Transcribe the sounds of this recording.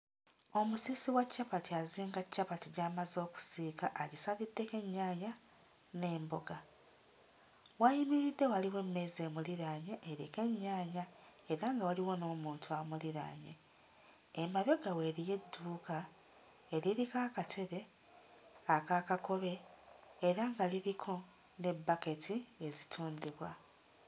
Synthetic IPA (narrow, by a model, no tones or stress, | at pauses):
o̞musisiwacːapatiaziːŋɡacːapatiɟaːmazo̞ːku̥siːkaʔaɟisalidːe̞ke̞ɲːaːɲa | ne̞ːmboɡa | wajimiɾidːe̞waliwe̞mːe̞ze̞ːmuliɾaːɲeʔeɾike̞ɲːaːɲaeɾaŋɡawaliwonomuːntʰuamuliɾa̰ːɲeː | maβe̞ɡawe̞ɾije̞dːuːka | eɾiɾikaːkatʰe̞βe̞ | akakako̞βe̞ː | ɾaŋɡaliɾikʰo̞ | ne̞bːake̞tʰie̞zitʰuːnd̪iβwa